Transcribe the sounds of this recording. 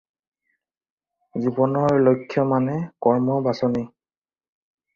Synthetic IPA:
zibɔnɔɹlojkʰːjɔmanɛkɔɹmɔbasɔni

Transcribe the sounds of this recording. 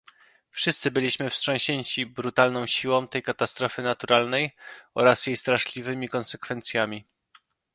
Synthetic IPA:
fʂɘst̪sɘbɘlʲiɕmɘfstʂɔ̃w̃ɕeɲt͡ɕibɾut̪alnɔ̃w̃ɕiwɔ̃w̃t̪ɛjkat̪ast̪ɾɔfɘnat̪uɾalnɛjɔɾasjejst̪ɾaʂlʲivɘmʲikɔnsɛkfɛnt̪sʲjamʲi

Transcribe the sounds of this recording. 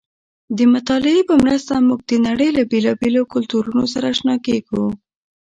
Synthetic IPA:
d̪əmʊt̪ɑlɪepəmɾast̪amuɡ̚d̪ənaɽəjlabelɑbelokʊlt̪uɾunosaɾaʃnɑkeɡu

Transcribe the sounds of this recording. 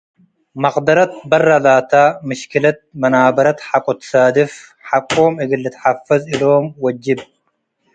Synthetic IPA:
mɐqd̪ɐɾɐt̪̚bɐrːɐlaːt̪aːmɪʃkɪlɐt̪̚mɐnaːbɐɾɐt̪ħakʼɔt̪saːd̪ɪfħakʼːoːmɪɡɪlːɪt̪ħafːɐzɪloːmwɐd͡ʒːɪb

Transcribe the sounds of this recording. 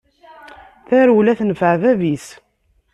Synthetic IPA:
θæɾwlæθnəfəʕvævis

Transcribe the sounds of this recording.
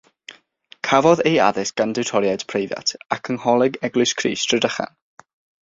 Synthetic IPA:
kʰavɔðeja̰ðɪsɡ̥andɛwtʰɔɾjad̥pʰrejvja̰tʰakʰənhɔlˠɪɡɛɡlɨskʰrḭːstʰr̥ədəχa̰n

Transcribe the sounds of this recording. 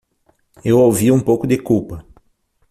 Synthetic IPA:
ewowviũpowkʊd̪ekuwpɐ

